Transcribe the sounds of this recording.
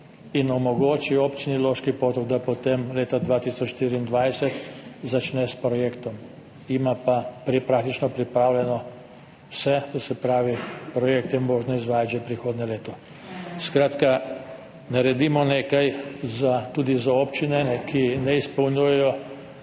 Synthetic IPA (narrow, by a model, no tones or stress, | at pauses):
inɔmɔɡoːt͡ʃiopt͡ʃiniloːʃkipoːt̪ɔɡd̪apɔt̪emleːt̪ad̪ʋaːt̪isɔt͡ʃʃt̪iɾiːnd̪ʋajsɛt̪zat͡ʃnɛspɾɔjekt̪ɔm | imapapɾipɾak̚t̪it͡ʃnɔpɾipɾaːwlʲɛnɔ | wsɛt̪ɔsɛpɾaːʋipɾɔjek̚t̪jɛmoːʒnɔizʋaːjat̪ʒepɾixoːd̪nɛleːt̪ɔ | skɾaːt̪ka | naɾɛd̪imɔneːkajzat̪uːd̪izaopt͡ʃinɛɛkʰinɛispɐwnujɛjɔ